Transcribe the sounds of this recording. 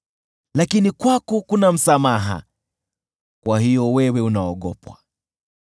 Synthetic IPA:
lakinikwakukunam̩samaɦa̰ | kwahijɔwɛwɛunaɔɠɔ̰pwa

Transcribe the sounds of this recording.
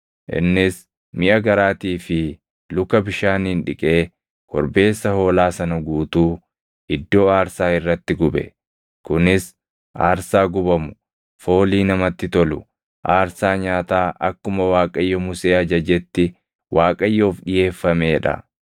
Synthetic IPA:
ʔɪ̰nːɪs | mɪʔɐɡɐɾaːt̪iːfɪ | lʊkɐbɪʃaːnɪnᶑɪkʼe̞ː | kɔɾbe̞ːsːɐho̞ːlaːsɐnɐɡuːt̪uː | ɪd̪ːo̞ːaːɾsaːɪrːɐt̪ːɪɡʊbɛ̰ | kʊnɪs | ʔa̰ːɾsaːɡʊbɐmʊ̥ | fo̞ːliːnɐmɐt̪ːɪt̪ɔlʊ̰ | ʔaːɾsaːɲaːt̪aːʔɐkːʊmɐwaːkʼɐjːɔmʊse̞ːɐd͡ʒɐd͡ʒɛt̪ːɪ | wʔaːkʼɐjːo̞ːfᶑɪje̞ːfːɐme̞ːᶑɐ̰

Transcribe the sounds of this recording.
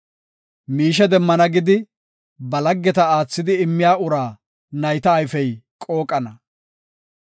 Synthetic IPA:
miːʃ̬ɛd̪ɛmːɐnɐɡɪd̪ɪ | bɐlɐɡːɛt̪ɐaːt͡sːɪd̪ɪɪmːɪjaːʊɾaː | nɐjt̪ɐːjfɛjkʼoːkʼɐnɐ

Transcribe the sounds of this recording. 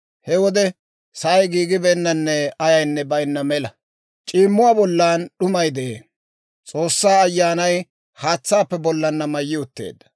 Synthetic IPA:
hɛwɔd̪ɛ | sɐjɡiːɡɪbɛnːɐnːɛɐjɐjnːɛbɐjnːɐmɛlɐ | t͡ʃʼiːmːʊwaːbɔlːaːnɗʊmɐjd̪ɛeː | t͡sʼo̞ːsːaːɐjːaːnɐj | haːt͡sːaːpːɛbɔlːɐnːɐmɐjːɪʊt̪ːe̞̰ːd̪ːɐ̥

